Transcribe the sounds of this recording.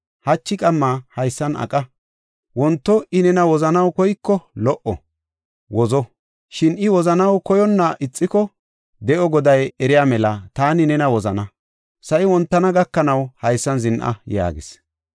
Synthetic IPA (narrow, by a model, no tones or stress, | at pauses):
hɐt͡ʃːɪkʼɐmːaːhɐjsːɐnʔɐ̰kʼɐ | wɔnt̪ːɔɪnɛnɐwɔzɐnɐwkɔjkːɔlɔʔɔ̰ | wɔzɔ | ʃɪnɪwɔzɐnɐwkɔjɔnːaʔɪt͡sʼːɪkɔ | d̪ɛʔɔɡɔd̪ɐjɛɾɪjaːmɛlɐt̪aːnɪnɛnɐwɔzɐnɐ | sɐʔɪwɔnt̪ːɐnɐɡɐkːɐnɐwhɐjsːɐnzɪnʔɐ̰ja̰ːɡɪs